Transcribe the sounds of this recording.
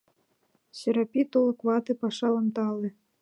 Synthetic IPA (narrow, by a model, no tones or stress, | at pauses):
ɕĕɾapʲit̪olˠɤkʋɑt̪ɨpɑʂɑlˠɤ̆mt̪ɑlˠɨ